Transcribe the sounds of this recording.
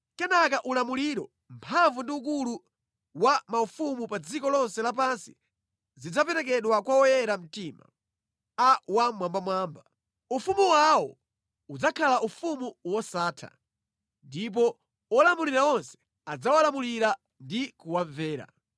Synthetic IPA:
kɛnakaʔulamuliɾɔ | mpʰaɱvundiuk̬ulu | wamaufumupad͡zikɔlɔnsɛlap̬ansi | zid͡zapɛɾɛk̬ɛɗwakwaɔjɛɾam̩tima̰ | awamwambamwaːmba | ufumuwawɔ | ud͡zakʰalaʔufumuwɔsaːtʰa̰ | ndip̬ɔ | ɔlamuliɾaɔnsɛ̥ | ad͡zawalamuliɾa | ndikuwaɱvɛːɾa̰

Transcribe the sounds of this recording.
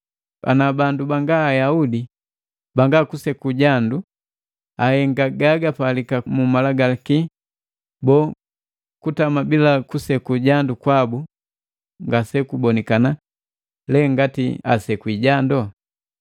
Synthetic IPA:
a̰nabandubaŋɡaːjaudi | baŋɡakusɛkuɟandu | ahɛŋɡaɡaɡapalikamumalaɡalaki | bɔ | kutamabilakusɛkuɟandukwabu | ŋɡasɛkubɔnɛkana | lɛŋɡatḭa̰sɛkwiɟandɔ

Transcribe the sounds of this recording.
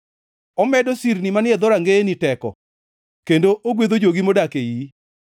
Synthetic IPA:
ɔmɛdosiɾnimanɪɛd̪ɔɾaŋɡenitɛkɔ̰ | kendoʔoɡwed̪od͡ʒoɡimodakeji

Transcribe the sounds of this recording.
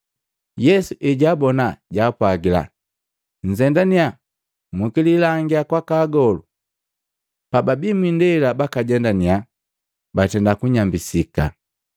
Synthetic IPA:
jɛsuʔiɟaːbɔnaɟaːpwaɡila̰ | ɲ̩zɛndania | mukililaŋɡiakwakaɡɔlu | pababimwindɛilabakaɟɛndania | batɛndakuɲambisika̰

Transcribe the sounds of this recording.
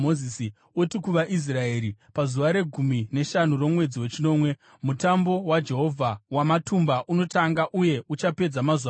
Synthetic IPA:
ozisi | otikuʋaʔis̬raeːɾipazuʋaɾe̞ɡʱumine̞ʃanuro̞mwe̞d͡ziwe̞t͡ʃino̞ːmwe̞ | mutambo̞wad͡ʒe̞ɦo̞vʱawamatumbaʔuno̞taŋɡaʔuje̞ut͡ʃape̞d͡zamazua

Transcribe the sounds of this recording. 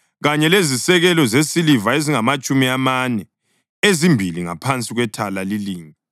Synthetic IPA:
ɣaɲɛlezisɛɣɛlɔzesilivaeziŋamat͡ʃʼumiamanɛ | ezimbʱiliŋa̰pʰant͡sʼiɣwɛtʰalaliliːŋi

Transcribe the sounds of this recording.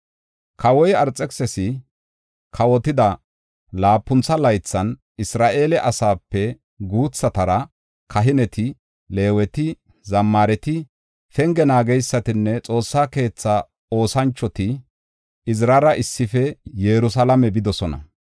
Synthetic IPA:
kɐwɔjɐɾt͡sʼɛksɛsɪ | kʰɐwɔt̪ɪd̪ɐ | laːpːʊnt͡sːɐlɐjt͡sːɐn | ɪsɾaːʔe̞ːlɛʔɐsaːpːɛ | ɡuːt͡sːɐt̪ɐɾɐ | kʰɐɦɪnɛt̪ɪ | le̞ːwɛt̪ɪ | zɐmːaːɾɛt̪ɪ | fɛŋɡɛnaːɡɛjsːɐt̪ɪnːɛt͡sʼo̞ːsːaːke̞ːt͡sːa | o̞ːsɐnt͡ʃːɔt̪ɪ | ɪzɾɐɾɐʔɪsːɪfɛjɛɾʊsɐlɐmɛbɪd̪ɔsɔnɐ̰

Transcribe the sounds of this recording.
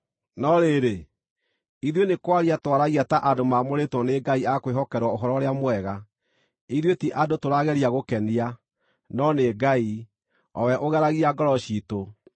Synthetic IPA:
nɔɾeɾe | iðwenekwaɾiatwaɾaɣiataʔadomamoɾetwɔneɡaiakweɦɔkɛɾwaoɦɔɾɔɾeamwɛɣa | iðwetiʔadotoɾaɣɛɾiaɣokɛnia | nɔneɡai | ɔwɛʔoɣɛɾaɣiaɡɔɾɔɕito

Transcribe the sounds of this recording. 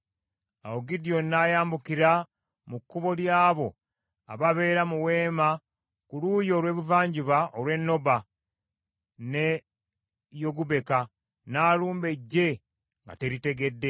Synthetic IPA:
a̰woɡidio̞nːajaːmbukiɾa | mukːuβo̞ljaːβo̞ | a̰βaβe̞ːɾamuwe̞ːma | kulujo̞ːlwe̞ːβuvaːɲɟiβaʔolwe̞nːo̞ba | ne | jo̞ɡuβe̞ka | naːluːmbe̞ɟːe̞ | ŋɡa̰te̞ɾite̞ɡe̞dːe̞

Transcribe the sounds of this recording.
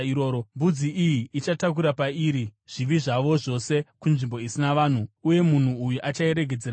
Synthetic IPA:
ioːɾombud͡ziʔijiːt͡ʃatak̬uɾapaiːɾiʐ̥iʋiʐaʋo̞ʐo̞se̞kunʐimbo̞isinaʋaːn̤uuje̞mun̤uːjuʔat͡ʃae̞ɾe̞ɡʱe̞d͡zeɾa

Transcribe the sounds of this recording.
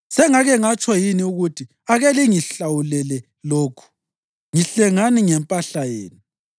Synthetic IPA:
sɛŋaɣɛŋat͡ʃʼɔjiniuɣutʰi | aɣɛliŋiɬawulɛlɛ | loːkʰu̥ | ŋiɬɛŋaniŋɛmpʼaɬajeːnu

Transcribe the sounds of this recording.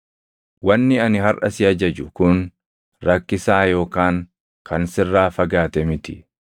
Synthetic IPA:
wɐnːɪɐnɪɦɐrʔɐsɪɐd͡ʒɐd͡ʒʊkʊn | ɾɐkːɪsaːjo̞ːkaːŋ | kʰɐnsɪrːaːfɐɡaːt̪ɛmɪt̪ɪ

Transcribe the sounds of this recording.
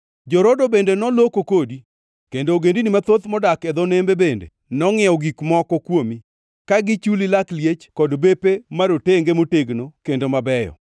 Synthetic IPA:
d͡ʒɔɾodobendenɔlokokodi | kendoːɡendinimat̪ot̪mɔdakɛd̪ɔnembebendḛ | nɔŋɪɔɡikmɔkɔkwomi | kaɡɪt͡ʃulilakljet͡ʃkɔdbepemaɾoteŋɡemoteɡnokendomabɛjɔ̰

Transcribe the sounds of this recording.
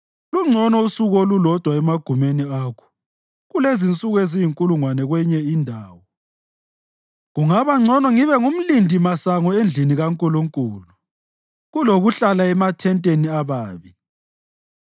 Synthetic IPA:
luŋ͡ǀʱɔnɔusuɣɔlulɔd̥ʱwaɛmaɡ̥ʱumeniakʰɔ̥ | ɣulezint͡sʼuɣezijiŋkʼuluŋwanɛɣwɛɲɛindʱaːwɔ | ɣuŋaβaŋ͡ǀʱɔnɔŋiβɛŋum̩lindʱimasaŋɔend͡ɮʱiniɣaŋkʼuluŋkʼuːlu | ɣuloɣuɬalaɛmatʰɛntʼeniaβaːβi

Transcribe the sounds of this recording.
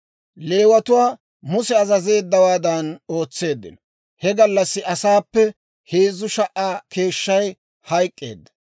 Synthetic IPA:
le̞ːwɐt̪ʊwaː | mʊsɛɐzɐze̞ːd̪ːɐwaːd̪ɐno̞ːt͡sːe̞ːd̪ːɪ̰nɔ | hɛɡɐlːɐsːɪʔɐsaːpːɛ | heːzʊʃɐʔːaːke̞ːʃːɐj | hɐjkʼːḛːd̪ːɐ̥

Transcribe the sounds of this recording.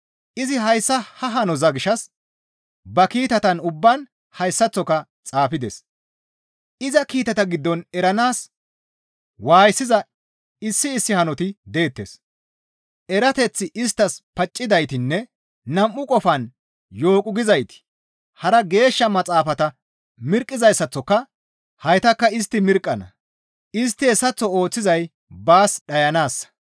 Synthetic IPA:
ʔɪzɪɦɐjsːɐhɐɦɐnɔzɐɡɪʃɐs | bɐkiːt̪ɐt̪ɐnʊbːɐn | hɐjsːɐt͡sːɔkɐ | t͡sʼaːfɪd̪ɛs | ʔɪzɐkiːt̪ɐt̪ɐɡɪd̪ːɔnɛɾɐnaːs | waːjsːɪzɐ | ɪsːɪːsːɪhɐnɔt̪ɪd̪e̞ːt̪ːḛs | ʔɛɾɐt̪ɛt͡sːɪʔɪst̪ːɐspɐt͡ʃʼːɪd̪ɐjt̪ɪnːɛ | nɐmːʊkʼɔfɐn | jo̞ːkʼʊɡɪzɐjt̪ɪ̥ | hɐɾɐɡe̞ːʃːɐmɐt͡sʼaːfɐt̪ɐ | mɪɾkʼːɪzɐjsɐt͡sːɔkːɐ | hɐjt̪ɐkːɐɪst̪ːɪmɪɾkʼːɐnɐ̰ | ɪs̬t̪ːɪɛsːɐt͡sːɔo̞ːt͡sːɪzɐj | baːsɗɐjɐnaːsːɐ̥

